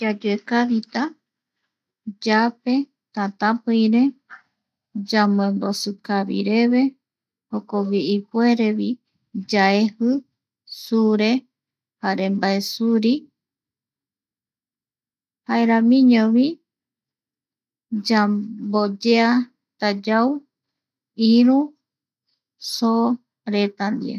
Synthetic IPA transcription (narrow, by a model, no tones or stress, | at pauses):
d͡ʒad͡ʒuekaβit̪a | d͡ʒape | t̪at̪ãpɨiɾe | d͡ʒam̃ẽmbosɨkaβḭɾeβe̞ | hokoβiʔipweɾeβi | d͡ʒaehɨ | suɾe | haɾembaesuɾi | haeɾãmĩɲõβi | d͡ʒabod͡ʒea | t̪ad͡ʒaw | iɾũ | so | ɾet̪and̪iḛ